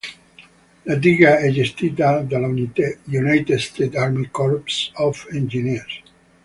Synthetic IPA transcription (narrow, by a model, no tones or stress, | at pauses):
lad̪iɡaed͡ʒest̪id̪ad̪aljunajt̪ed̪st̪et̪aɾmikoɾpsofẽnd͡ʒiniɾs